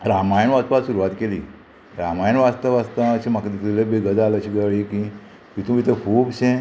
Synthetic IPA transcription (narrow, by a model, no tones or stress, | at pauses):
ɾamajənʋast̪ʋat̪suɾuʋat̪keliː | ɾamajənʋast̪əʋast̪ət͡ɕimakd̪it̪ilebiɡəd̪alət͡ɕʰiɡəɭiki | ʋit̪ũʋit̪əkʰuːbsẽ